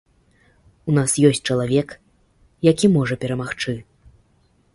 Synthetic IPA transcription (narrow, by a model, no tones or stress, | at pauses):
unasjɔsʲt͡s̚ʲt͡ʂɐlˠavʲɛk | jakʲimɔʐɐpʲɛɾɐmaxt͡ʂɨ